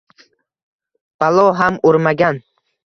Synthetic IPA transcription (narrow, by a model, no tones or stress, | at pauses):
b̥alˠɒɦamoɾmaɡʲan